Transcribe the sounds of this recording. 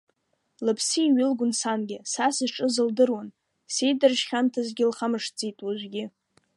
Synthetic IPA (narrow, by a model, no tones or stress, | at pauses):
lɨpʰsiːɥɪlɡʷʊnsanɡʲɪsasɨʈ͡ʂʼɨzɨldɨrwan | sejdɨrʃχʲantʰazɡʲɪlχamɨʂt͡sʼitʼwaʒʷɡʲɪ